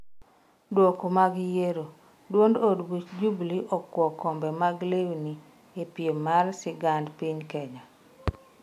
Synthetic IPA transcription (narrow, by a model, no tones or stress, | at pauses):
dwɔkomaɡjeɾo | dwondodwit͡ʃd͡ʒubliʔɔkːwɔkɔmbɛmaɡlewni | epjemalsɪɡandpiɲkɛɲa